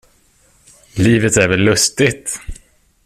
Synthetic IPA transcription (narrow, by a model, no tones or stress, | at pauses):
liːvət̪æɾvɛlːɵst̪ɪt̪